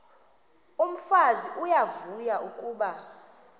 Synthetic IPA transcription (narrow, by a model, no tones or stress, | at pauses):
um̩faziʔujavujaukʼuːɓa